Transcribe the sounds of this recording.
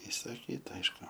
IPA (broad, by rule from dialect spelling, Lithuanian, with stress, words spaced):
ɪsɐˈkʲiːtɐ ˈɐɪʃkʊ